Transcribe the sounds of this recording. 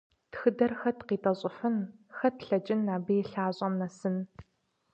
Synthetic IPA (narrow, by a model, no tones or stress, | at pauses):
txɨdɐrxɐtqiːtʼɐɕʼʊfɨnxɐtɬɐd͡ʒʼɪnːaːbejɬaːɕʼɐmnɐsɨn